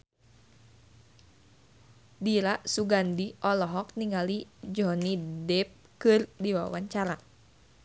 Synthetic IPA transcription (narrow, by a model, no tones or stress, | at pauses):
diɾasuɡandiʔɔlɔɦɔk̚niŋɡalid͡ʒɔnidɛp̚ | kɨrdiwa̰waɲt͡ʃaɾa